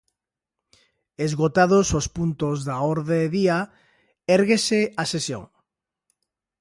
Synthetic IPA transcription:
ezɣot̪aðosospunt̪ozðaoɾðeðia | eɾɣeseasesjo̰ŋ

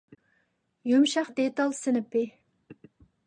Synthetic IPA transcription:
jumʃɑχd̪et̪ɑlˠsɪnɪpɪ

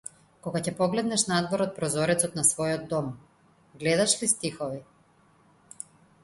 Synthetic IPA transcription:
kɔɡacɛpɔɡlɛd̪nɛʃnad̪vɔɾɔt̪̚pɾɔzɔɾɛt̪sɔt̪nasvɔjɔd̪̚ːɔm | ɡlɛd̪aʃlist̪ixɔvi

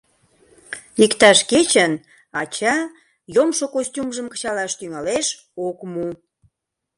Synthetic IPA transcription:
ikt̪ɑʃket͡ɕən | ɑt͡ɕɑ | jomʃokosʲtʲumʒəmkə̥̆t͡ɕɑlɑʃt̪yŋɑleʃ | okmu

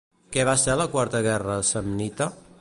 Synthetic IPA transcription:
kɛβaseləkwaɾt̪əɣɛrəsəmnit̪ə

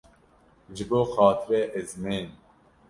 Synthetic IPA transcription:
ʒɨboːxɑːt̪ʰɨɾɛʔɛzmeːn

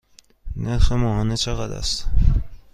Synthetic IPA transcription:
neɾxemɒːhɒːnet͡ʃʰeɣæd̪æ̰st̪

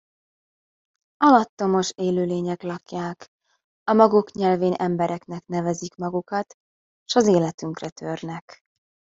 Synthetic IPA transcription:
ɒlɒt̪ːo̞mo̞ʃeːløːleːɲɛklɒkjaːk | ɒmɒɡukɲɛlveːnʔɛmbɛɾʔɛknɛkn̪ɛvɛzikmɒɡukɒt̪ː | ʃɒzeːlɛt̪yŋkrɛt̪ʰørnɛk

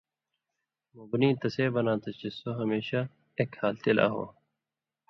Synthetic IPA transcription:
mubniːt̪ɐseːbɐnãːt̪ɐt͡ɕisoɦɐmeːɕa | eːkhaːlt̪ela̰ːɦo̰ː

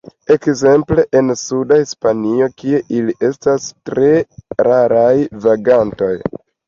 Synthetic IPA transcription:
e̞kze̞mple̞ʔensudahispanio̞kie̞ʔiliʔe̞stastɾe̞ɾaɾajvaɡanto̞j

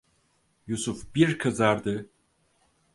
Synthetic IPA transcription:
jusufbiɾkʰɯzaɾd̪ɯ

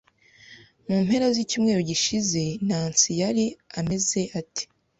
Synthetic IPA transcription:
muːmhe̞ɾazicuːmŋe̞ɾoɟiʃize̞naːnsijaɾiame̞ze̞ʔati̥

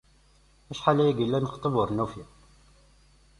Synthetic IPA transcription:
æʃħalæjæɡəlːænəχt̪ˤːəbəɾˤnufi

